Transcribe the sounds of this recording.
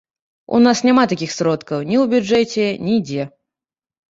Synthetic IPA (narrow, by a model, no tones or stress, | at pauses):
ṵnasnʲamat̪akʲixsɾɔt̪kɐwnʲiwbʲud͡ʐɛt͡sʲɛnʲid͡zʲɛ